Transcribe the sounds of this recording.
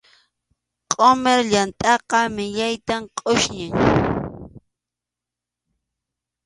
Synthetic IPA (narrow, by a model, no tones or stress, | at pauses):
qʼomeɾʎant̪ʼɑqɑmɪʎajt̪amqʼʊʃɲɪŋ